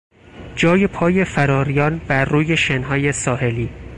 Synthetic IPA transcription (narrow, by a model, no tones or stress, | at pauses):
d͡ʒɒːjepʰɒːje̞fæɾɒːɾijɒːnbæɾːuːje̞ʃenɦɒːje̞sɒːhe̞liː